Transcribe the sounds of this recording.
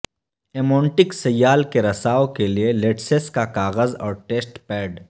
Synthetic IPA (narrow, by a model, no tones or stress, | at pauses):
emõːɳʈɪksɐjːaːlkeɾɐsaːokelieleːʈseskakaːɣəzɔ̰ːɾʈeːsʈpɛːɖ